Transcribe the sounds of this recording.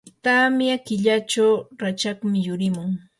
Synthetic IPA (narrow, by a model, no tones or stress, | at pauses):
t̪amɪakɪʎat͡ʃawɾat͡ʃakmɪjʊɾɪmʊŋ